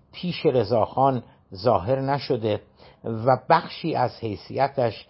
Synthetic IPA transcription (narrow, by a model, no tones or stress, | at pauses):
pʰiːʃeɾe̞zɒːxɒːn | zɒːɦe̞ɾnæʃod̪e̞ | væbæxʃiːʔæzhe̞jsḭæt̪ʰæʃ